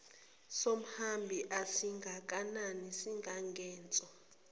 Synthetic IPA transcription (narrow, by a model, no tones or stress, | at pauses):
som̩hambʱiʔasiŋɡʱak̬ʼananisiŋɡʱaŋɡʱɛːnt͡sʼɔ